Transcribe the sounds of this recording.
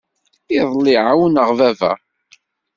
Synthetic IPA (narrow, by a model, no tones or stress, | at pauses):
ɪðˤlɪʕawnəʁvævæ̰